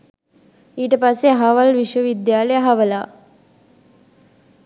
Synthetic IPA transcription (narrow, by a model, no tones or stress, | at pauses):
iːʈəpasːeaɦaʋalʋiʃʋəʋid̪jaːleaɦaʋəla